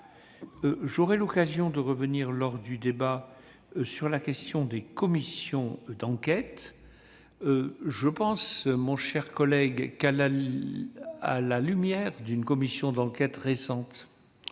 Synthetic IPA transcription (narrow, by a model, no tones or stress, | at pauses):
ʒɔʁɛlɔkazjɔ̃d̪əʁəvəniʁlɔʁd̪yd̪eba | syʁlakʲɛst̪jɔ̃d̪ekɔmisjɔ̃d̪ɑ̃kʲɛt̪ | ʒəpɑ̃smɔ̃ʃɛʁkɔlɛɡkala | a̰lalymjɛʁd̪ynkɔmisjɔ̃d̪ɑ̃kʲɛt̪ʁesɑ̃t̪